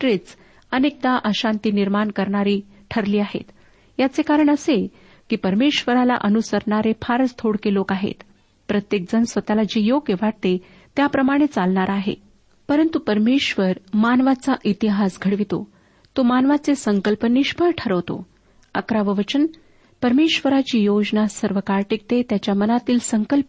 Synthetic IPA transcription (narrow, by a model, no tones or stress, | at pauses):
ʈɾit͡s | ənek̚d̪aʔəɕant̪iːniɾmankəɾɳaɾiː | ʈʰəɾliːaɦḛt̪ | jat͡sekaɾəɳəse | kiːpəɾmeɕʋəɾala̰ʔənusəɾɳaɾefʰaɾst̪ʰoɽkelokaɦḛt̪ | pɾət̪jek̚d͡zənsʋət̪alad͡ʑijoɡjəʋaʈ̚t̪e | t̪japɾəmaɽ̃et͡salɳaɾaɦḛ | pəɾənt̪upəɾmeɕʋəɾmanʋat͡saʔit̪iɦasɡʱəɽʋit̪o̰ | t̪omanʋat͡sesəŋkəlpəniɕpʰəɾʈʰəɾəʋt̪o̰ | əkɾaʋəʋət͡ɕən | pəɾmeɕʋəɾat͡ɕiːjod͡ʑnasəɾʋəkaɾʈik̚t̪et̪jat͡ɕjamənat̪iːlsəŋkəlp